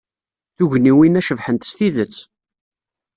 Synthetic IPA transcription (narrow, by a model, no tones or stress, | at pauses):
θuʝniwinæʃəvħənt̪ə̥st̪iðət͡sː